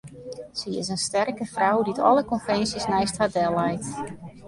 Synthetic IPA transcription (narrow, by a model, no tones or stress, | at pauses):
siɪsənstɛrkəfrawditʰɔ̰ləkɔnfɛnsjəsnɛjsthadɛlˠɛjt